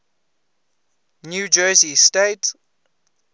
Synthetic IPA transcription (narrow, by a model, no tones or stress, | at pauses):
njuːd͡ʒɜːzisteɪt